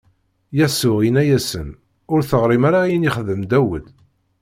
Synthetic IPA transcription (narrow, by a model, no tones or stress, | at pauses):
jæsʊʁinæjæsən | ʊɾθəʁɾˤimaɾajəniχðəmd̪æwəd̪